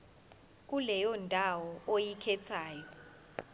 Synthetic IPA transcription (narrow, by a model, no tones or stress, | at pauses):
k̬ʼulɛjɔndʱawɔojikʰɛt͡sʰaːjɔ